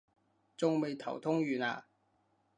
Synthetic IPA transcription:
t͡sʊ˥ŋme˨˧jt̪ʰɐ̰˨˩wt̪ʰʊ˥ŋjy˨˩na̰˨

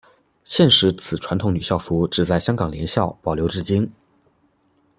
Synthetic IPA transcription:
ɕjɛ˥˩nʂɻ̩˧˥t͡sʰɹ̩˨˩ʈ͡ʂʰwa˧˥nt̪ʰʊ˧˥ŋny˨˩ɕjɑ˥˩ʊfu˧˥ʈ͡ʂɻ̩˥˩t͡sa˥˩ɪɕjɑ˥ŋkɑ˨˩ŋljɛ˧˥nɕjɑ˥˩ʊpɑ˨˩ʊljo˧˥ʊʈ͡ʂɻ̩˥˩t͡ɕi˥n

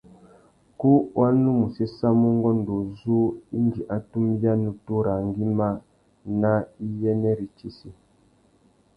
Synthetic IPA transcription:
ku˦wʔa˦nu˦mu˨se˦sa˦mu˦ŋɡɔ˦n˨do˨zu˦i˦nd͡ʒi˨ʔa˨tu˦mja˦nu˨tu˦ɾa˨ŋɡi˦ma˦ | na˦i˦jɛ˦nɛ˦ɾi˨t͡ʃi˦si˨

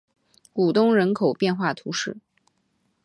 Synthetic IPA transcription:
ku˨˩t̪ʊ˥ŋɻə˧˥nkʰo˨˩ʊpjɛ˥˧nxwa˥˩t̪ʰu˧˥ʂɻ̩˥˩

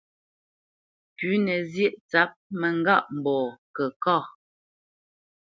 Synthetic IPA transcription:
kʉ˨˦nɛ˨zjɛ˦ʔt͡sa˨˦p̚mɛ˨ŋ˦ɡa˦˨ʔm˨bɔː˨kɛ˨kɔ˦˨

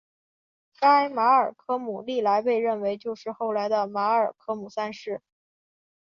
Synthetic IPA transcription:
ka˥ɪma˧˥ə˞˨˩kʰɤ˥mu˨˩li˥˩la˧˥ɪpe˥˧ɪɻə˥˩nwe˧˥ɪt͡ɕjo˥˧ʊʂɻ̩˥˧xo˥˩ʊla˧˥ɪd̪ə˧ma˧˥ə˞˨˩kʰɤ˥mu˨˩sa˥˧nʂɻ̩˥˩

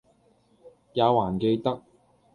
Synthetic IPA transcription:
jaː˨˧waː˨˩nke˧jt̪ɐ˥k̚

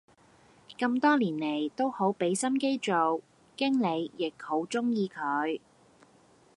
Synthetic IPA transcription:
kɐ˧mt̪ɔː˥liː˨˩nle˨˩jt̪o˥who˨˥wpe˨˥jsɐ˥mke˥jt͡so˨w | kɪ˥ŋle˨˧jjɪ˨k̚ho˨˥wt͡sʊ˥ŋjiː˧kʰɵ˨˧j

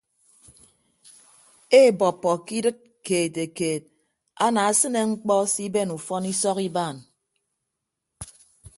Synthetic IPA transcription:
e˦˨bɔ˨pːɔ˨ki˦dɨ˦t̚ | keː˨te˨keː˨t̚ | a˦na˨a˦sɨ˦ne˨ŋ͡m̩˦k͡pɔ˦si˦be˦˨nu˨fɔ˦ni˦sɔ˦ki˦baː˦˨n

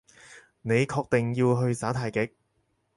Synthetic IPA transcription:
ne˨˧jkʰɔː˧k̚t̪e˨ŋjiː˧wɦɵ˧ɥsaː˨˥t̪ʰaː˨jkɪ˨˥k̚

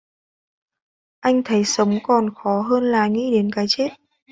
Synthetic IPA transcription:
ʔa˧jŋ̟t̪ʰə˨˦jsə˨˦wŋ͡mkɔ˨˩nxɔ˨˦ɦəː˧nlaː˨˩ŋḭ˧˥ɗe˨˦nkaː˨˦jt͡ɕe˦˥t̚

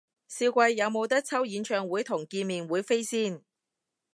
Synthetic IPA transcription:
siː˧wkʷɐ˧jːɐ˨˧wmo˨˧wt̪ɐ˥k̚t͡sʰɐ˥wjiː˨˧nt͡ʃʰœː˨˧ŋwuː˨˥jt̪ʰʊ˨˩ŋkiː˧nmiː˨nwuː˨˥jfe˥jsiː˥˩n

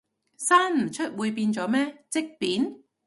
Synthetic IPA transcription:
saː˥nm̩˨˩t͡ʃʰɵ˥t̚wuː˨˧jpiː˧nt͡sɔː˨˥mɛː˥t͡sɪ˥k̚piː˨˥n

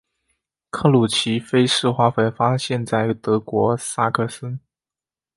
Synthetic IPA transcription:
kʰɤ˥˩lu˨˩t͡ɕʰi˧˥fe˥ɪʂɻ̩˥˧xwa˥˩fwe˧˥ɪfa˥ɕjɛ˥˧nt͡sa˥˩ɪt̪ɤ˧˥kwɔ˧˥sa˥˧kʰɤ˥˩sə˥n

